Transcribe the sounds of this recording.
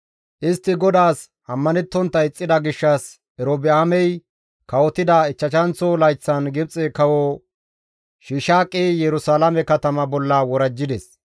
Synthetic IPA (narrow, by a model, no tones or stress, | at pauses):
ʔɪst̪ːɪɡɔd̪aːs | ɐmːɐnɛt̪ːɔnt̪ːɐjɪt͡sʼːɪd̪ɐɡɪʃːɐs | ɛɾobɪaːmɛj | kɐwɔt̪ɪd̪ɐɪt͡ʃːɐt͡ʃɐnt͡sːɔlɐjt͡sːɐnɡɪbt͡sʼɛkɐwɔ | ʃiːʃaːkʼːijɛɾʊsaːlɐmɛkɐt̪ɐmɐbɔlːɐwɔɾɐd͡ʒːɪd̪ɛs